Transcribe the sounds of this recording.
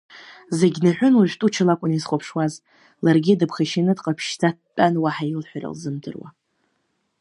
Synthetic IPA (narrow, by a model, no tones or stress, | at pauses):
zeɡʲnaħʷᶣʊnwuʒᶣtʼut͡ʃʰalakʷʼʊnizχʷopʰʂwaz | larɡʲidɨpʰχaʃinɨdqʼapʰʃtʰat̚pʼanwaħailħʷᶣara̰lzɨmtʰɨ̰rwa̰